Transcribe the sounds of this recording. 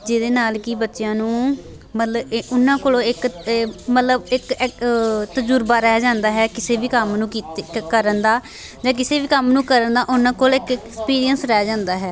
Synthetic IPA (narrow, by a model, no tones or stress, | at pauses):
d͡ʒeːd̪eːnaːlkiːbətːʃjãːnũː | mət̪ləbʊnːãːkoːlõːɪkmət̪ləbɪk | t̪əd͡ʒuːɾbaːɾɛːd͡ʒãːnd̪aːɦɛːkɪseːbiːkəmnũːkikəɾənd̪aː | d͡ʒãːk̬ɪseːbiːkəmnũːkəɾənd̪aːʔʊnãːkoːlɪkkːkspiːɾijənsɾɛːd͡ʒãːnd̪aːɦɛː